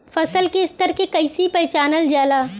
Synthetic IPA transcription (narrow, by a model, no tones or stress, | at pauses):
fɐsəlkest̪əɾkekɐɪsipɐjt͡ʃaːnəld͡ʒjaːlaː